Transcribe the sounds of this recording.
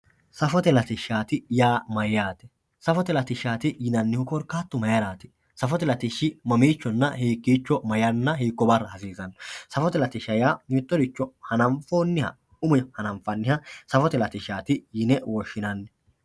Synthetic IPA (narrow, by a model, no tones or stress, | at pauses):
sɐfɔt̪ɛlɐt̪ɪʃaːt̪ɪjaːmɐjːaːt̪ɛ̥ | sɐfɔt̪ɛlɐt̪ɪʃːaːt̪ɪjɪnɐnːɪhʊkɔɾkːaːt̪ːʊmɐjɐɾaːt̪ɪ̥ | sɐfɔt̪ɛlɐt̪ɪʃɪmɐmiːt͡ʃːɔnːɐhiːkːiːt͡ʃːɔmɐjɐnːɐɦiːkːɔbɐrːɐhɐsiːzɐnsɐfɔt̪ɛlɐt̪ɪʃɐjaːmɪt̪ːɔd̪ɪt͡ʃːɔhɐnɐmfoːnːɪhɐ̰ | ʊmʊjhɐnɐmfɐnːɪhɐsɐfɔt̪ɛlɐt̪ɪʃaːt̪ɪjɪnɛwɔʃːɪnɐnːɛ